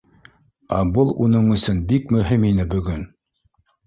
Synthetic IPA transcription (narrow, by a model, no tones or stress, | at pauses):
æ̰bɤlˠunɤɴɵ̆sɵnbikmɵ̆ɦiminɘbɵ̆ɡɵn